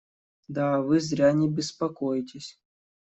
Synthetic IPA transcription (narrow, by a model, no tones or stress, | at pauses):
d̪avɨzɾʲanʲɪbʲɪspɐkojtʲɪsʲ